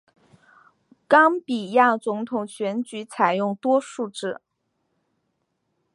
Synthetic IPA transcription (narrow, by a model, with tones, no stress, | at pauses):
kɑ˥ŋpi˨˩ja˥˩t͡sʊ˧˥ŋt̪ʰʊ˨˩ŋɕɥɛ˧˥nt͡ɕy˧˥t͡sʰa˨˩ɪjʊ˥˩ŋt̪wɔ˥ʂu˥˧ʈ͡ʂɻ̩˥˩